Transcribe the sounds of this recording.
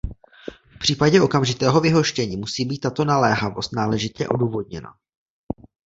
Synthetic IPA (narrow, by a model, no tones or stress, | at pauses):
fpr̝̥iːpaɟɛʔo̞kamʒɪt̪ɛːɦo̞vɪɦo̞ʃcɛɲiːmusiːbiːt̪ːat̪o̞nalɛːɦavo̞st̪naːlɛʒɪt̪ɛ̰ʔo̞̰duːvo̞d̚ɲɛna̰